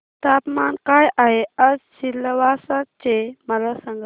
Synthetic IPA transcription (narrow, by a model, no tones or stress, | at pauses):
t̪apmankajaɦeəd͡zsilːəʋaːsat͡ʃeməlasəŋɡ